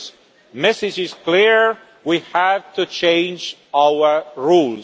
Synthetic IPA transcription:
mɛsɨd͡ʒɪz̥kliɹ | wihævtut͡ʃʰẽɪ̃nd͡ʒ | awə˞ɹul

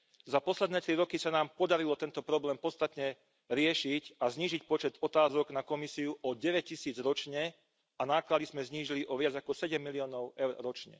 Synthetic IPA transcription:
zapɔslɛd̪nɛːt̪ɾiɾɔkisanaːmpɔd̪aɾilɔt̪ɛnt̪ɔpɾɔblɛːmpɔt̪t͡st̪at̪ɲɛ | ɾɪɛʃicazɲiːʒicpɔt͡ʃɛt̪ɔt̪aːzɔɡnakɔmisiuʔɔɟɛʋɛc̚cːisiːd͡zɾɔt͡ʃɲɛ | anaːklad̪izmɛzɲiːʒiliʔɔʋɪad͡zakɔsɛɟɛmːiliɔːnɔʊɛʊɾɾɔt͡ʃɲɛ̰

